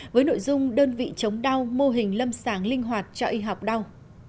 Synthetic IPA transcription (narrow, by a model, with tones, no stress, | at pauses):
vəː˨˦jno̰˧˨jzʊ˧ŋ͡mɗəː˧nvḭ˧˨t͡ɕə˨˦wŋ͡mɗa˧wmo˧ɦï˨˩ŋ̟lə˧msaː˧˩ŋlï˧ŋ̟ɦwaː˨˩t̚t͡ɕɔ˧ʔi˧ɦa˨˩wk͡p̚ɗa˧w